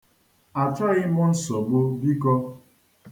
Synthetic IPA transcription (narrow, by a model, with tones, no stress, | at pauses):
a˨t͡ʃa˦ɣɪ˦mʊ˦n̩˦sɔ˨ɡ͡bʊ˦bi˦kɔ˦